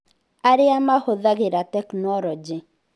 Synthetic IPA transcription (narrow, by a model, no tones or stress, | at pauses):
aɾɪamahoðaɡɪɾatɛknwɔɾɔd͡ʒɪ